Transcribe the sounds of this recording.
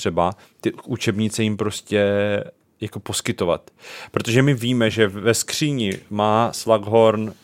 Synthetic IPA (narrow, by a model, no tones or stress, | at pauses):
r̥ɛba | t̪ɪut͡ʃɛbɲɪt͡sɛjɪmpɾo̞scɛ | jakopo̞skɪt̪o̞va̰t̪pɾo̞t̪o̞ʒɛmɪviːmɛʒɛvɛskr̝̥iːɲɪmaːslaɡɦo̞ɾn